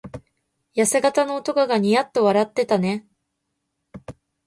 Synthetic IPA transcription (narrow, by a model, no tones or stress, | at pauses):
jase̞ɡat̪ano̞ːt̪o̞kaɡaɲ̟ijat̪ːo̞βaɾat̪ːe̞t̪ane̞